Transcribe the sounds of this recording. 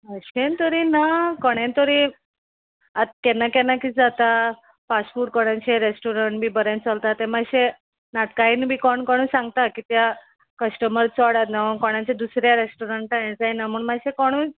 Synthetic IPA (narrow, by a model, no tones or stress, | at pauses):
əɕent̪ɔɾiːnakɔɽ̃ẽnt̪ɔɾi | at̪̚kɛnakɛnakit͡sd͡zat̪a | fasʈfuːʈ̚kɔɽjãt͡ɕeɾesʈoɾəɳʈbʱiːbəɾẽnt͡səlt̪at̪emaɕe | nat̪kainbʱiːkɔɳkɔɽ̃ũːsãŋɡt̪akit̪ja | kəsʈəməɾt͡sɔɽat̪nakɔɽ̃jãt͡ɕed̪usɾjaɾesʈoɾəɳʈaj̃d͡zainamuːɳmaɕekɔɽ̃ũː